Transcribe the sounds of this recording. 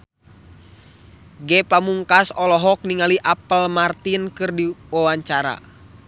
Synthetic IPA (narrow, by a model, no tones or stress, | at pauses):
ɡɛpamuŋkasɔlɔɦɔk̚niŋaliʔapəlmart̪inkɨrdiwawaɲt͡ʃaɾa̰